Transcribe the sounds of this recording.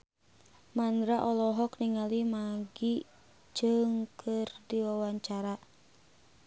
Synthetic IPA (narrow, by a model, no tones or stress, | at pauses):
mandɾaʔɔlɔɦɔkniŋalimaɡi | d͡ʒɨŋkʰɨrdiwawaɲt͡ʃaɾa